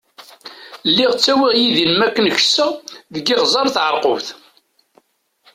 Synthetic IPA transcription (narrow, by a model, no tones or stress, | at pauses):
lːiʁt͡sːæwiʁjiðinmækːənçə̥səʁðəɡɪʁzˤɑɾˤθʕəɾˤqʊvθ